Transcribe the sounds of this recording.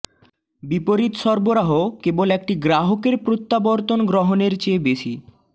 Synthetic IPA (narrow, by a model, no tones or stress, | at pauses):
bipoɾit̪ʃɔɾboɾaɦokebolek̚ʈiɡɾaɦokeɾpɾot̪ːaboɾt̪onɡɾoɦoneɾt͡ɕebeʃḭ